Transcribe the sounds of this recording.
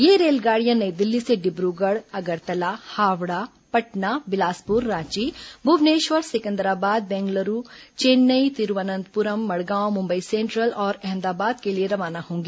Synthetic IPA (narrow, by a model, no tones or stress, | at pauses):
jeːɾeːlɡaːɽijãnɐid̪ɪlːiseɖɪbɾuɡəɽɐɡəɾt̪ɐlahaːʋɽa | pɐʈnabɪlaːspʊɾːãːt͡ʃibʱʊʋneːʃʋəɾsɪkə̃nd̪ɾaːbaːd̪̚bɛ̃ːŋɡləɾut͡ʃeːnːəit̪ɪɾʋənə̃nd̪pʊɾəmːɐɽɡãːwmʊ̃mbəisẽːɳʈɾəlɔːɾɛ̃ɦmd̪aːbaːd̪kelieɾɐʋaːnahõːŋɡiː